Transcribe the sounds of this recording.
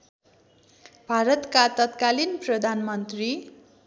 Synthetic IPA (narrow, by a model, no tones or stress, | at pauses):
bʱaɾʌt̪kat̪ʌt̪kalinprʌd̪ʱanmʌnt̪ri